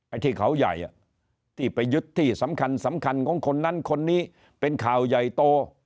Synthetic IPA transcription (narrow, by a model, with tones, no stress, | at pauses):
ʔa˧jt̪ʰiː˥˩kʰa˨˦˥wja̰˨˩jʔa̰˨˩ | t̪ʰiː˥˩pa˧jːɯ˦˥t̪ʰːiː˥˩sa˩˦mkʰa˧nsa˩˦mkʰa˧nkʰɔː˨˦ŋkʰo˧nːa˦˥nkʰo˧nːiː˦˥˩ | pe˧nkʰaː˨˩wja˨˩jt̪oː˧